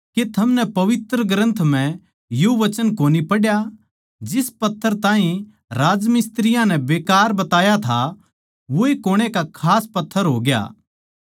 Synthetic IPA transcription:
ket̪ʰɐmnɛpɐʋɪt̪ɾəɡɾə̃nt̪ʰm̤ɛ̃ | joʋɐt͡ʃənkoːnipɐɽja | d͡ʒɪspɐt̪ʰːəɾt̪ãːɦĩ | ɾaːd͡ʒmɪst̪ɾɪjãnɛ̃beːkaːɾbɐt̪aːjat̪ʰa | ʋoekoːɽ̃ekakʰaːspɐt̪ʰːəɾɦoːɡeja̰ː

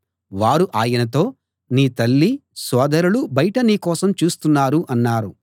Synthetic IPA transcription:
ʋaːɾuʔaːjɐnɐt̪̬o̞ː | niːt̪ɐlːisɔːd̪ɐɾulubɐjɐʈɐniːkɔːsɐmt͡ʃuːst̪unːaːɾuʔɐnːaːɾu

